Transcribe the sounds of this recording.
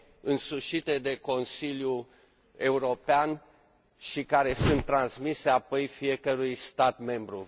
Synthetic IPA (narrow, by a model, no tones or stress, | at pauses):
ɨnsuʃit̪e̞d̪e̞ko̞nsilʲju | e̞uɾo̞pean | ʃikaɾe̞sunt̪ːɾansmise̞apo̞jfie̞kəɾujst̪at̪me̞mbɾu